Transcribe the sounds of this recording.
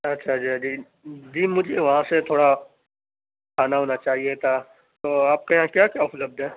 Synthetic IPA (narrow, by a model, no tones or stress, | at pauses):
ɐtːʃʰad͡ʒiːd͡ʒiː | d͡ʒiːmʊd͡ʒʱeʋɐɦãset̪ʰoːɽa | kʰaːnaɦoːnat͡ʃaːɦiet̪ʰa | t̪oːaːp̚kajãkjaːkjaʊpləb̚d̪ʱɦɛː